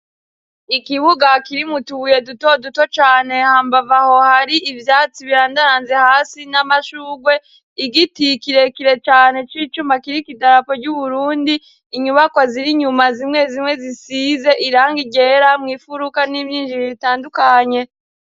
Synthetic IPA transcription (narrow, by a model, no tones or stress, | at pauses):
ikiβuɡakiɾimutuuje̞dutoduto̞t͡ʃaːne̞haːmbavaho̞haɾiʔivjaːt͡siβiɾaːndaɾaːnzehaːsinamaʃuːɡwe̞ | iɡitikiɾe̞kiɾe̞t͡ʃaːne̞t͡ʃiːt͡ʃumakiɾikidaɾapo̞ɟɟuβuɾuːndiː | ɲuβakwaziɾiɲumazimŋe̞zimŋe̞zisize̞ʔiɾaːŋɡiɟe̞ɾamŋiːfuɾukanimɲiːnʒiɾizitaːndukaɲe̞